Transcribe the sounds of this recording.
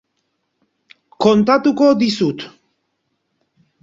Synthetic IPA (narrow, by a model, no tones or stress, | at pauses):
kɔnt̪at̪ukɔd̪isut̪